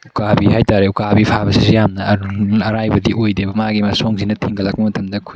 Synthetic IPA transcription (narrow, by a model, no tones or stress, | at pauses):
ukabiɦajtaɾeukabipʰabɐsizijamnɐɾuɐɾajbɐdiʔojdebɐmaɡimasoŋzinɐtʰiŋɡɐlak̚bɐmɐtʰɐmdɐkʰu